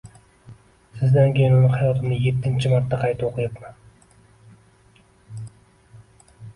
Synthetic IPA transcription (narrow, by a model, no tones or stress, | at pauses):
sɪzd̪ankʲʰejɪnunɪhɑjɒt̪ʰɪmnɪje̞t̪ʰːɪnt͡ʃʰɪmɑɾt̪ːaqʰɑjt̪ʰɪoqʰɨjɨpman